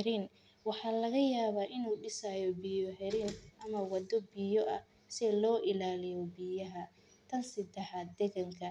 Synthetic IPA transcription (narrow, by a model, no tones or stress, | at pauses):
ɾin | wɑħɑːlɐɣɐjaːβaːʔɪnuːɖɪsajɔbijɔɦɛɾiːnʔɐmɐwɑd̪ɔbijɔʔɐ | sɛlɔːʔɪlaːlɪjɔbijɐɦɐ | t̪ʰɐnsɪd̪ɛħaːd̪ɛɣɐŋkʰɐ